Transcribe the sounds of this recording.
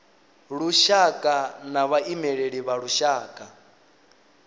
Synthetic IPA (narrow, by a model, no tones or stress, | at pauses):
ɺuʃakʼanaβaʔimɛɺeɺiβaɺuʃaːkʼa